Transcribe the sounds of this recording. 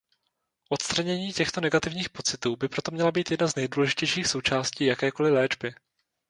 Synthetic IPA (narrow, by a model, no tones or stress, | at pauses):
ʔo̞t̪st̪ɾaɲɛɲiːcɛxt̪o̞nɛɡat̪ɪvɲiːxpo̞t͡sɪt̪uːbɪpɾo̞t̪o̞mɲɛlabiːt̪jɛdnaznɛjduːlɛʒɪcɛjʃiːxso̞wt͡ʃaːsciːjakɛːko̞lɪlɛːd͡ʒbɪ